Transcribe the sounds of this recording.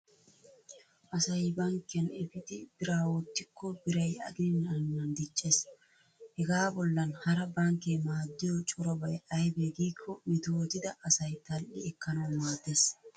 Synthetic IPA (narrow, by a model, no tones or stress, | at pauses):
ʔɐsɐjbɐŋkːɪɐnɛfɪd̪ɪd̪ɪɾaːwɔt̪ːɪkʰːɔbɪɾɐjɐ̰ɡɪnɪnːɐŋːɐnd̪ɪt͡ʃʼːe̞ːs | hɛɡaːbɔlːɐnhɐɾɐbɐŋkemaːd̪ːɪjɔt͡ʃʼʊɾɔbɐjɐjbeɡiːkʰːɔmɪt̪owt̪ɪd̪ɐʔːsɐjt̪ɐlʔɪɛkːɐnɐwmaːt̪ːes